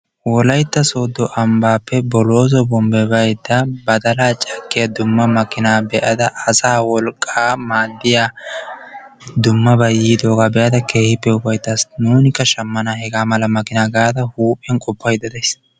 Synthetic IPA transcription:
wɔlɐjt̪ːɐso̞ːd̪ːɔʔɐmbaːpːɛbɔloːzɔbɔmbɛbɐjd̪ːɐbɐd̪ɐlaːt͡ʃʼɐkːɪjɐd̪ʊmːɐmɐkɪnaːbɛʔɐd̪ɐɐsaːwɔlkʼaːmaːd̪ːɪja | d̪ʊmːɐbɐjiːd̪o̞ːɡaːbɛʔɐd̪ɐkʰe̞ːhɪpːɛʊbɐjt̪ːɐsnuːnɪkːɐʃɐmːɐnahɛɡaːmɐlɐmɐkɪnaːɡaːd̪ɐhuːpʼɛnkʼɔpːɐjd̪ɐd̪ɐjs

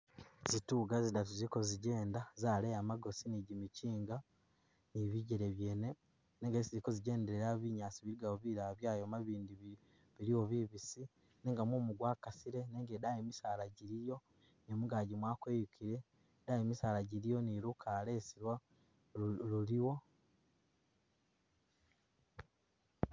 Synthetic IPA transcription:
zituɡazidatuzikoziɟe̞ːndazaːlejamaɡo̞siniɟimiciːŋɡa | niβiɟeɾeβje̞ːne̞ | neŋɡesizikoziɟe̞ːndeɾeɾaβiɲaːsiβiɾiɡaoβiɾaβjaːjomaβiːndiβ | βiɾiwo̞βiβisi | neːŋɡamoːmuɡwaːkasiɾe̞neːŋɡedajemisaːlaɟiɾijo̞ | nomuɡaɟimwaːkwe̞ːjukiɾe̞ | dajemisaːɾaɟiɾijo̞niɾukʰale̞siɾwa | luliwo̞

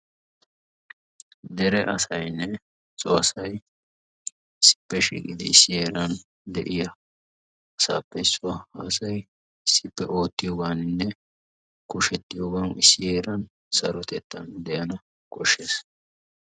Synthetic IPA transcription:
d̪ɛɾɛʔɐsɐjnːɛ | t͡sʼɔɐsɐj | ɪsːɪ̥pːɛʃḭkʼɪd̪ɪ̰ɪsːɪje̞ːɾɐn | d̪ɛ̰ʔɪjɐ | ɐsa̰ːpːɛsʼʊwɐhaːsɐj | ɪsːɪpːɛʔo̞ːt̪ːɪjoːɡaːnɪnːɛ | kʊʃɛt̪ːɪjoɡaːnɪ̰sːɪje̞ːɾɐn | sɐɾɔt̪ɛt̪ːɐnd̪ɛjɐnɐ | kʼɔʃːe̞ːs

